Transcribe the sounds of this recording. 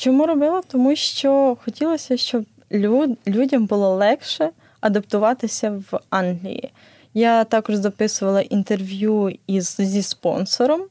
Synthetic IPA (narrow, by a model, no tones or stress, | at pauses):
t͡ʃɔmuɾɔbɪlˠɔt̪ɔmuʃt͡ʃɔxɔtʲilˠɔsʲɐʃt͡ʃɔbʲ | ulʲudʲɐmbʊlˠɔlˠɛkʃɛ | ɐd̪ɐpt̪ʊʋɑt̪ɪsʲɐʋɑnɦlʲḭjḭ | jat̪ɑkɔʒzɐpɪsʊʋɐlˠɐʔint̪e̞rʋʲjuizzʲispɔ̰nsɔɾɔm